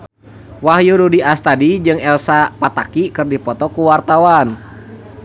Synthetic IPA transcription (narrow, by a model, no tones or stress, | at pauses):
waɦjuɾudiast̪adid͡ʒɨŋɛlsapat̪akikɨrdipɔt̪ɔkuwart̪awan